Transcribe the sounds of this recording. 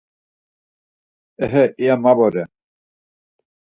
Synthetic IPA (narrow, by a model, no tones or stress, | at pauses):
ɛɦɛʔiamabɔɾɛ